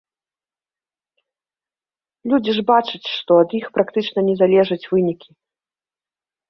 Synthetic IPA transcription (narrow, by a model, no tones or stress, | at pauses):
lʲud͡zʲiʐbat͡ʂɐt͡sʲʂt̪ɔɐd̪jixpɾakt̪ɨt͡ʂnɐnʲɛzalʲɛʐɐt͡sʲvɨnʲikʲi